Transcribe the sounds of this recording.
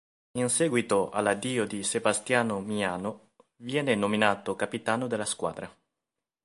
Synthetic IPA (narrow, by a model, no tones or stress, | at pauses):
insɛːɡwit̪oʔa̰lːad̪iːod̪isebast̪jaːnomiaːno | vjɛːnenominaːt̪okapit̪aːnod̪elːaskwa̰ːd̪ɾa